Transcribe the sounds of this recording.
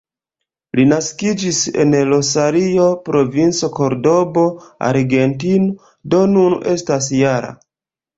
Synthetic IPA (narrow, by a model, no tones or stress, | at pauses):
linaskid͡ʒise̞̰nlo̞saɾio̞pɾo̞vint͡so̞ko̞ɾdo̞bo̞a̰ɾɡe̞ntino | do̞nunʔe̞stas̬jaɾa̰